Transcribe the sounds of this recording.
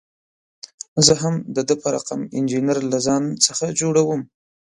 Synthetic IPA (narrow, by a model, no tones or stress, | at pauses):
zəɦamd̪əd̪əpəɾa̰qa̰mɪ̰nd͡ʒinaɾlazɑnt͡səxad͡ʒoɽawəm